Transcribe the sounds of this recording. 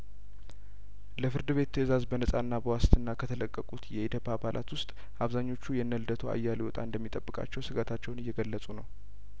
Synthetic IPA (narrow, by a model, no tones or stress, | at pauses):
ləfɨɾd̪ɨβe̞t̪ʰːəɨzazbənəsʼanːabəwast̪ʰɨnːakʰət̪ʰələkʼːəkʼut̪jɛet̪ʰjopʰːabalʔa̰t̪wʊst̪ʼ | ʔaβzaɲːo̞t͡ʃːujɛnːəld̪ət̪ʰoa̰jːalewɔt̪ʼa̰ɨnd̪əmːit̪ʼəbːɨkʼa̰t͡ʃːɛwsɨɡat̪ʰat͡ʃːɛwnɨjːɛɡəlːəsʼunəw